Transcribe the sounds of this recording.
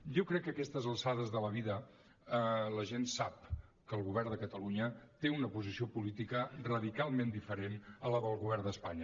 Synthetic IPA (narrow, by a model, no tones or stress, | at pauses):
ʒokɾɛkːəkɛst̪əzəlˠsaðəzðələβ̞iðə | ələʒensap̚kəlˠɣuβ̞ɛrd̪əkət̪əluɲət̪eunəpuzisiopulit̪ikərəðikalˠmend̪ifəɾenələðəlˠɣuβɛrnd̪əspaɲə